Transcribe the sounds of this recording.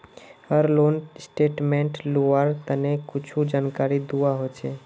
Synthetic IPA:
həɾloːnsʈeːʈmẽɳʈluaɾt̪ənekʊt͡ʃʰud͡ʒaːnkaːɾid̪uaɦot͡ʃʰeː

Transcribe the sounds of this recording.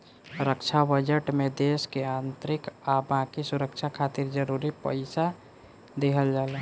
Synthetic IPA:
ɾəkt͡ʃʰabəd͡ʒəʈmẽd̪eːskeãːnt̪ɾɪkabãkisʊɾəkt͡ʃʰakʰaːt̪ɪɾd͡ʒəɾuːɾipə̰ɪsa | d̪ekʰəld͡ʒaːle

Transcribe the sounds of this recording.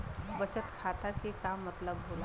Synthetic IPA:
bət͡ʃət̪kʰat̪akekamːət̪ləbɦol

